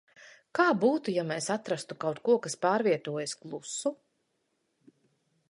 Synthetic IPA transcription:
kaːbuːt̪ujamesat̪ɾast̪ukawt̪kuɔkaspaːɾviɛt̪uɔjasklˠusu

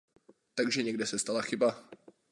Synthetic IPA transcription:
t̪aɡʒɛɲɛɡdɛsɛst̪alaxɪba

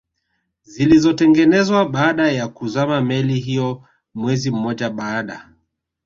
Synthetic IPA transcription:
zilizɔtɛŋɡɛnɛzwaɓaːɗajakuzamamɛliɦijɔ | mwɛzim̩mːɔʄaɓaːɗa̰

